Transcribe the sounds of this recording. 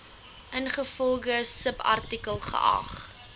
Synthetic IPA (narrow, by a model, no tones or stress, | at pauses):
ʔənχəfɔlˠχəsəpɐ̰rtikəlˠχə̰ʔɐ̰χ